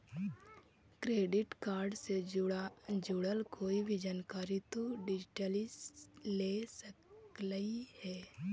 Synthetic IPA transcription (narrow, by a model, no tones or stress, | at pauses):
kɾeːɖɪʈkaːɾɖse | d͡ʒʊɽəlkoːibʱid͡ʒaːnkaːɾit̪oɖɪd͡ʒʈəlislesəkləihɛː